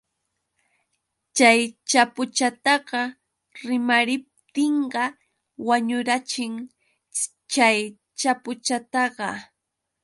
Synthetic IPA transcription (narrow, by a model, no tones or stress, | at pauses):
t͡ʃajt͡ʃapʊt͡ʃat̪ɑɢɑ | ɾɪmaɾɪp̚t̪ɪɴɢɑ | waɲʊɾat͡ʃɪŋ | t͡ʃaj | t͡ʃapʊt͡ʃat̪ɑɢɑ